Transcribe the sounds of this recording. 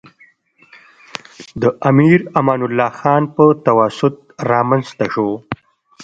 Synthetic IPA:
d̪əʔamiɾamɑːnʊlːɑːxɑːnpət̪awasʊt̪̚ | ɾɑːmanzt̪aʂo

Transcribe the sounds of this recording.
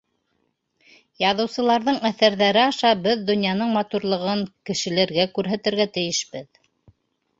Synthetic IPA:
jɑðɤ̆wsɤ̆lˠɑɾðɤɴæθæɾðæɾɘɑʃɑbɘðd̪ŏnjɑnɤɴmɑt̪uɾlˠɤ̆ʁɤɴkɘ̆ʃɘ̆læɾɡækʉɾɦæt̪ɘ̆ɾɡæt̪ɘ̆jɘʃbɘð

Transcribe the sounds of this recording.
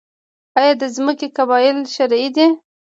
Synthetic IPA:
ɑjɑd̪əzməkekabɑjɪlʃaɾid̪e

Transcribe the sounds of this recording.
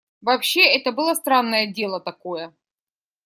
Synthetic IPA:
vɐpɕːe̞ɛt̪əbɨlˠast̪ɾanːəjədʲe̞lˠət̪ɐko̞jə

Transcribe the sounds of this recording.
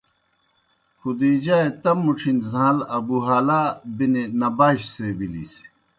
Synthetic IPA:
xʰud̪iːd͡ʑaːet̪ɐmːuʈ͡ʂʰinzãːlɐbuɦaːlaːbinenɐbaːɕsebilḭs

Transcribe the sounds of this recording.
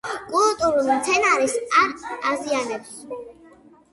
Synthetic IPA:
kʼult̪ʼuɾulˠmt̪sʰɛnaɾisaɾazianɛps

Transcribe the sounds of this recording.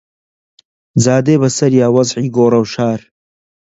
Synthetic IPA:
d͡zaːd̪eːbɐsɐɾjaːwɐzʕiːɡoːrɐwʃaːɾ

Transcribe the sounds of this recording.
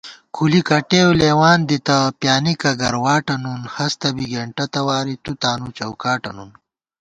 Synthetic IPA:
kʰulikɐʈewleːwaːnd̪it̪ɐpjaːnikɐɡɐɾwaːʈɐnunhɐst̪ɐbiɡeɳʈɐt̪ɐwaːɾit̪ut̪aːnut͡ɕɐwkaːʈɐnun

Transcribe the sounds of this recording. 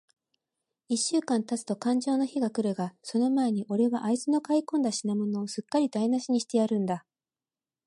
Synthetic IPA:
iɕːɨːkãnt̪at͡sɨ̥t̪o̞kãɲ̟d͡ʑo̞ːno̞çiɡakɯ̟ɾɯ̟ɡaso̞no̞mae̞ɲ̟iʔo̞ɾe̞βaʔaizɨno̞kaikõ̞nd̪aɕinamo̞no̞ːsɨkːaɾʲid̪ainaɕiɲ̟iɕi̥t̪e̞jaɾɯ̟̃nd̪a

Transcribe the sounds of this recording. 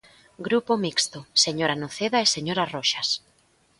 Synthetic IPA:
ɡɾupomikst̪oseɲoɾanoθeðaeseɲoɾaroʃas

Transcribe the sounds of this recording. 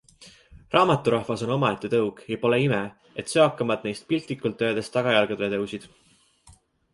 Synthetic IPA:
rɑːmɑt̪ːˑuɾɑhvɑso̞no̞mɑet̪ːˑet̪ɤwɡ̥jɑpo̞le̞ime | e̞t̪seɑkːˑɑmɑd̪̥̚ne̞jst̪̚pilʲt̪likult̪ːø̞ːd̪̥est̪ɑɡ̥ɑjɑlɡ̥ed̪et̪ɤwsid̪̥

